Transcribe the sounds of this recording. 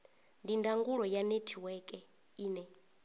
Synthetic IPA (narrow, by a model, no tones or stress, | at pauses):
ndindʱaŋɡuɺɔjanetʰiwɛkʼɛ | iːnɛ